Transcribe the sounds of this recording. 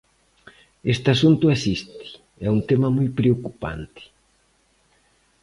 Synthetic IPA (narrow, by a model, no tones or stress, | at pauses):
est̪ɪasunt̪ʊasist̪ɪ̥ | ɛunt̪emɐmujpɾeokupa̰nt̪ɪ̥